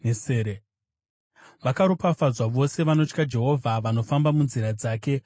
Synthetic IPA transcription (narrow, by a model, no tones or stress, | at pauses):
neseːɾe | ʋakaɾopafazwaʋo̞se̞ʋano̞t͡ʃkad͡ʒe̞ɦo̞vʱaʋano̞fambamunziɾad͡zaːke̞